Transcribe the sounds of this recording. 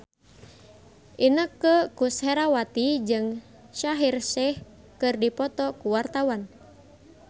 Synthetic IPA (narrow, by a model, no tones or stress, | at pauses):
ʔinəkəkushɛɾawat̪id͡ʒɨŋ | ʃaɦirsɛh | kɨrdipɔt̪ɔkuwart̪awan